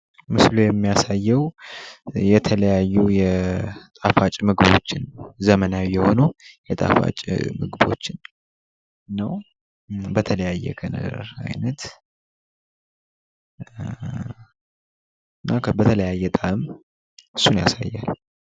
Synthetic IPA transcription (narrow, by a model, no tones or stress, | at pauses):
mɨslujɛmːijasajːɛw | jɛt̪ʰələjajːujɛt̪ʼafat͡ʃʼmɨɡɨbo̞̰t͡ʃːɪnzəmənawijɛho̞nojɛt̪ʼa̰fa̰t͡ʃʼmɨɡɨbo̞̰t͡ʃːɪn | ɨnːəw | bət̪ʰələjajːɛ̰kʰənə̰ɾa̰jnət̪ | ɨnːakʰbət̪ʰələjajːɛt̪ʼam | ɨsːunja̰sa̰jːal